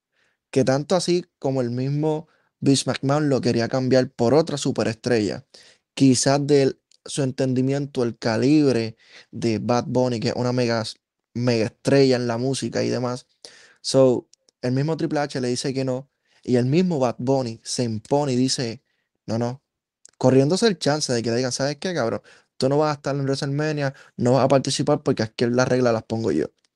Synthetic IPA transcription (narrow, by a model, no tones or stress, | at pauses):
ke̞t̪ant̪oasiko̞moe̞lmizmo̞ | biʃmak̚manlo̞ke̞ɾiakambjaɾpo̞ɾo̞t̪ɾasupe̞ɾe̞st̪ɾe̞ʝa̰ | kisazd̪e̞ | sue̞nt̪e̞nd̪imjẽ̞nt̪oelkaliβɾe̞ | ðe̞bat̪̚bo̞nikḛʔṵnameɣa | me̞ɣaest̪ɾe̞ʝae̞nlamusika̰ḭðe̞̰masː | o̞w | e̞lmizmo̞t̪ɾipleat͡ʃe̞le̞ðise̞ke̞no̞ | ie̞lmizmo̞βat̪̚bo̞nise̞impo̞niðise̞ | no̞no̞ | ko̞rje̞nd̪o̞se̞ːlt͡ʃanse̞ðe̞ke̞leðiɣansaβe̞hke̞kaβɾo̞̰ŋ | t̪uno̞βasaest̪aɾenreselmẽnjano̞βasapaɾt̪isipaɾpo̞ɾkeakjeɾlarʔe̞ɣlalaspo̞ŋɡo̞̰ʝo̰